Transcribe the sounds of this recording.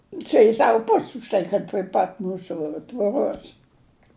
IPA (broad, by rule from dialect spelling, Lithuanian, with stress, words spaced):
ˈt͡ʃʲɛ jɪs ˈsɑːʋʊ ˈpʊsʲ ʊʃ ˈtɐɪ kɐt pʲrʲɪ ˈpɐt ˈmuːsʊ tʋoːˈroːs